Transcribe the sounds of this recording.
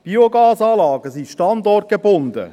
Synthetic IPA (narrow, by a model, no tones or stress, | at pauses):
b̥ioɡɑːsɑːlɑːɡəsiʃtɑnd̪ɔrt̚ɡ̥ebʊnd̪ə̰